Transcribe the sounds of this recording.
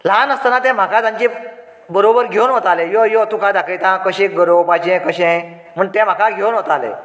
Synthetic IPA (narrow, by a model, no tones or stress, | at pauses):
lanəst̪ənat̪ɛ̃m̤akad͡z̪ãɲt͡ɕẽ | bəɾobəɾɡʱewnɦot̪alejojot̪ũkad̪akʰəjt̪ãkəɕẽɡəɾobad͡ʑɛ̃kəɕẽ | m̤əɳt̪ɛ̃m̤akaɡʱewnɦot̪alḛ